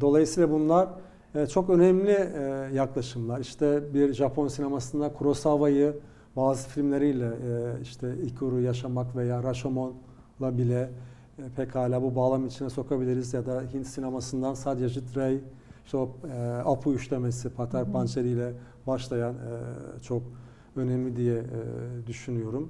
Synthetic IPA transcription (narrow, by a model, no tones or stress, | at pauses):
d̪o̞lˠajɯsijːlˠabunlˠaɾ | t͡ʃʰo̞kø̞nɛmlʲijaklˠaʃɯmlˠaɾiʃt̪ʰɛbiɾʒapʰo̞nsine̞masɯnd̪ankʰuɾo̞savajɯ | baːzɯfilʲmlʲe̞ɾijlʲɛiʃt̪ʰɛicʰuɾujaʃamakve̞jaːɾaʃomon | lˠabilʲɛ | pʰɛkhaːlʲaːbubaːlˠamit͡ʃʰinɛso̞kʰabilʲiɾizjad̪aɦint̪sinemasɯnd̪ansad̪aʒɯt̪ɾej | iʃt̪ʰɛoapʰuyʃlʲemesipʰat̪ʰaɾpʰant͡ʃʰeɾijlʲɛ | baʃlˠajanɛ̰t͡ʃʰo̞k | ø̞nemlʲid̪ijɛ̰d̪yʃynyjo̞ɾum